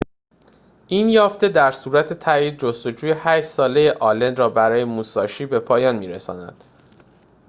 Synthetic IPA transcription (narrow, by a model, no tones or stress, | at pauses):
ʔinjɒːft̪e̞d̪æɾsuːɾæt̪ʰe̞t̪ʰæiːd̪̚d͡ʒost̪o̞d͡ʒuːje̞hæʃt̪sɒːle̞je̞ʔɒːlend̪ɾɒːbæɾɒːje̞muːsɒːʃiːbe̞pʰɒːjɒːnmiːɾesɒ̰ːnæ̰d̪̥